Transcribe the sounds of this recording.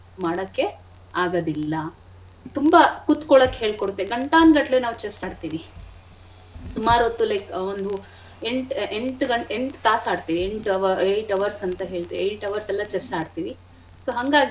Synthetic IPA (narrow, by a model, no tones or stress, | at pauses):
maːɽɐkːe̞ | aːɡɐd̪ilːɐ | t̪umbɐkut̪kɔɭɐkːeɦe̞ːɭkoɽut̪ːeɡɐɳʈaːnɡɐʈlenaːʋut͡ʃesaːɖt̪iːʋi | sumaːɾot̪ːulɐjkond̪u | eɳʈeɳʈɡɐɳeɳʈt̪aːsaːɖt̪iːʋieɳʈʋejʈɐʋɐɾsɐnt̪ɐɦe̞ːɭt̪iːʋiejʈɐʋɐɾsɛlːɐt͡ʃesaːɖt̪iːʋi | soːɦɐŋɡaːɡi